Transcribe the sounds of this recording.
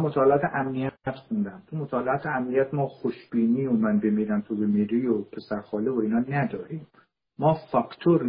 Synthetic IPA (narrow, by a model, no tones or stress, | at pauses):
mot̪ʰɒːleɒːt̪ʰeʔæmnijææt̪xund̪æmt̪ʰumot̪ʰɒːleɒːt̪ʰeæmnijæt̪mɒːxoʃbiːniːomænbemiːɾæmt̪ʰubemiɾiːopʰe̞sæɾxɒːlevoiːnhɒːnæd̪ɒːɾiːmː | ɒːfɒkʰt̪ʰoɾ